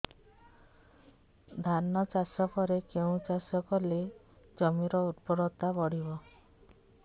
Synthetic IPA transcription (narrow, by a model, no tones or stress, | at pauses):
d̪ʱanɔt͡ʃasɔkɔɾekeũt͡ʃasɔkɔle | d͡ʒɔmiɾɔud̪pɔɾɔt̪abɔɽibɔ